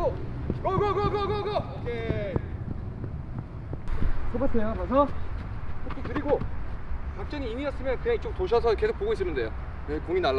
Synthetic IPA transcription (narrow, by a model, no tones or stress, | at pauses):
kʌɡʌɡʌɡʌɡʌɡʌkʰe | kobasʰejjobʌsʰʌ | kʰok͈ʰikɯɾiɡo | kak̚t͡ɕ͈ʌniːmiʌs͈ɯmjʌnkɯɲaŋit͡ɕ͈ok̚toɕ̬ʰʌsʰʌke̞sʰokp͈oɡois͈ɯmɯnde̞jo | ekoŋinaɭː